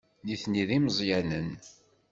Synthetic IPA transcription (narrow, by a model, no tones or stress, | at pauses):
niθniðiməzˤjænən